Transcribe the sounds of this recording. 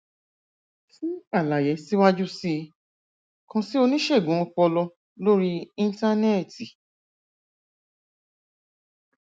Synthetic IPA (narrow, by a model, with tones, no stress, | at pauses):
fĩ˦a˦˨la˨jɛ˨˦si˦wa˦d͡ʒu˦si˦ | kã˧si˦o˧nĩ˦ʃe˦˨ɡũ˨˦ɔ˧k͡pɔ˧lɔ˧ | lo˦ɾi˦ĩ˦˧n˦ta˦nɛ˦˨ti˨